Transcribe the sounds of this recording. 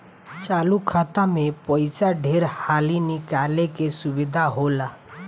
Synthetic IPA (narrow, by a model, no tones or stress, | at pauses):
t͡ʃaːlukʰaːt̪amẽpɔɪsaɖʱeːɾhaːlinɪkaːlekesʊbɪd̪ʱaɦola